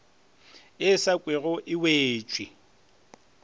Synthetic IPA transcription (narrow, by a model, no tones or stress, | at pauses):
ɪsakʼwɪɣɔʔɪweːt͡ʃʼwɪ